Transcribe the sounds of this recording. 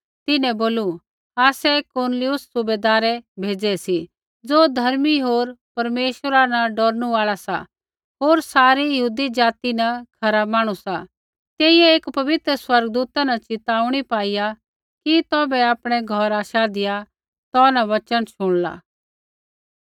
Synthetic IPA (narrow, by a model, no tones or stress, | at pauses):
t̪ɪnɛ̃boːlu | aːsɛkʊɾnlɪʊsːʊbeːd̪aːɾɛbʱeːd͡zɛsi | d͡zoːd̪ʱɐɾmiɦoːɾpɐɾmeːʃɾanɐɖɔːɾnũaːɭasa̰ | ɦoːɾsaːɾijɐɦuːd̪id͡ʒaːt̪inɐkʰɐɾamaːɽ̃usa | t̪eːiɛeːkpɐʋɪt̪ɾəswɐɾɡd̪uːt̪anɐt͡ʃɪt̪aːuɽ̃ipaːɪja | kit̪ɔːbɛaːpɽ̃ɛɡʱɔɾaːʃad̪ɪja | t̪ɔnaʋɐt͡ʃənʃʊɽ̃la̰ː